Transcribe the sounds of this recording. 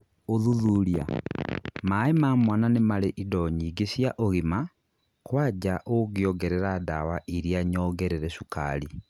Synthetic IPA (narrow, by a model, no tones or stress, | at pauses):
oðuðuɾja | maemamwananemaleʔidɔɲiːɡesjaʔoɣima | kwaːd͡ʑaʔoɣjɔɡɛɾɛɾada̰waʔiɾjaɲɔːɡɛɾeɾɛʃuka̰ɾi